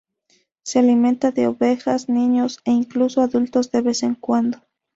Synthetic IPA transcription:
sealimẽnt̪aðeoβe̞xasnĩɲoseiŋklusoaðult̪o̞zðe̞βe̞seŋkwand̪o

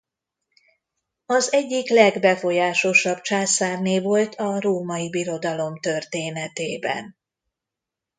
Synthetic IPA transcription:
ɒzɛɟːiklɛɡbɛfo̞jaːʃo̞ʃɒbt͡ʃaːsaːrneːvo̞lt̪ʰɒɾoːmɒibiɾo̞d̪ɒlo̞mt̪ørt̪eːnɛt̪eːbɛ̰n

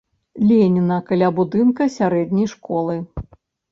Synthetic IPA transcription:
lʲenʲinɐkɐlʲabud̪ɨnkɐsʲaɾɛd̪ʲnʲɐjʂkɔlˠɨ

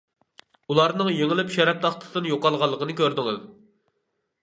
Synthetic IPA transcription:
ulˠɑɾnɨŋjeŋɪlɪpʃɛɾɛp̚t̪ʰɑχt̪ʰɨ̥sɨnjoqɑlˠʁɑlˠːəqənɨkʲøɾd̪ɪŋɪz

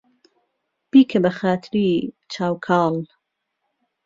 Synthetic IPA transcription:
b̥iːkʰɐbɐxaːt̪ʰɾit͡ʃʰaːwkʰɑːl

